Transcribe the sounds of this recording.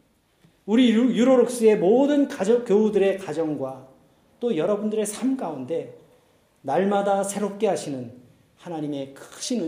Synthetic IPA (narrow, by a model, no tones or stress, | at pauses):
uɾijuɾoɾok̚s͈ɯe̞modɯnkad͡ʑʌkjoudɯɾe̞kad͡ʑʌŋɡwa | t͈ojʌɾʌbundɯɾe̞sʰamkaunde̞ | naɭmadasʰe̞ɾop̚k͈e̞ɦaɕʰinɯn | hanaɲime̞kʰɯ̥kɕ͈ʰinɯ